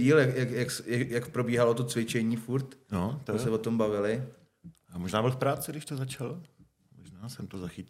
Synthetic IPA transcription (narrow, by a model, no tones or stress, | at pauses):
iːljakjakjaksjakpɾo̞biːɦalot̪ot͡svɪt͡ʃɛɲiːfuɾt̪not̪sɛvot̪o̞mbavɪlɪ | amoʒnaːbɪlfpɾaːt͡sɪɡdɪʃt̪ozat͡ʃal | moʒnaːsɛmt̪ozaxɪc